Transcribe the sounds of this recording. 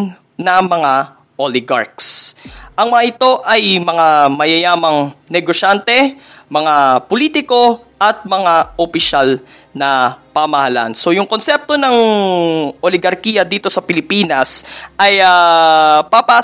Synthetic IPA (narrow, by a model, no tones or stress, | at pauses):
nɐmɐŋa | ʔolɪɡa̰ɹksʔɐŋmɐŋaɪt̪o̞ʔɐjmɐŋamɐjɐjaːmɐŋnɛɡoʃant̪ɛ | mɐŋapoliːt̪ɪko̞ | ʔɐt̪̚mɐŋaʔopɪʃal | nɐpɐmɐhɐla̰nso̞jʊŋkonsɛp̚t̪o̞nɐŋ | ʔo̞lɪɡɐɾkiːjɐd̪iːt̪o̞sɐpɪlɪpiːnɐsʔɐja | pɐpa